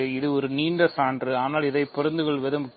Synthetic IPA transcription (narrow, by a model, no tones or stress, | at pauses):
ɪðɯɔɾɯniːɳɖɐsaːɳdrɯaːnaːlɪðɐɪpːɔɾɐnd̪ɯɣɐɭʋɛðɐm